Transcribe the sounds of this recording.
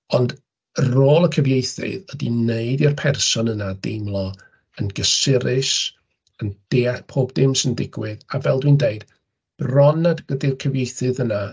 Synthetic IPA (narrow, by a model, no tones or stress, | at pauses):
ɔnd | əroːlˠəkʰəvjejθɪ̰ðədineɨdirpʰɛrsɔnənadɪmlˠɔ | ənɡəsɪɾɪʃ | ənd̥ɪpʰoːbdɪmsəndɪɡwɪðavɛlˠdwindeɨd̥ | b̥rɔnadɡədɪrkʰəvjejθɨðəna